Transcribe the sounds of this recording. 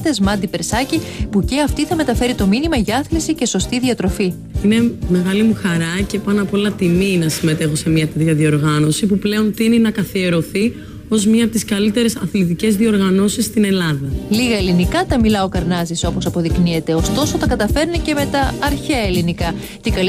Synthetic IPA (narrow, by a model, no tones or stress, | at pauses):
θe̞zmɐd̪ipe̞ɾsɐcipuce̞ɐft̪iθɐme̞t̪ɐfe̞ɾit̪o̞minimɐʝɐɐθlisice̞so̞st̪iðiɐt̪ɾo̞fi | ine̞me̞ɣɐlimuxɐɾɐce̞pɐnɐpolɐt̪iminɐsime̞t̪e̞xo̞se̞mɲɐt̪et̪çɐðio̞ɾɣɐno̞sipuple̞o̞nt̪ininɐkɐθie̞ɾo̞θi | o̞zmɲɐpot̪iskɐlit̪e̞ɾe̞sɐθlit̪ice̞zðio̞ɾɣɐno̞sisːt̪ine̞lɐðɐliɣɐelinikɐt̪ɐmilɐo̞kɐɾnɐzisopo̞sɐpo̞ðiknie̞t̪e̞o̞st̪o̞so̞t̪ɐkɐt̪ɐfe̞ɾnice̞me̞t̪ɐːɾçeelinikɐ | c̪ikɐ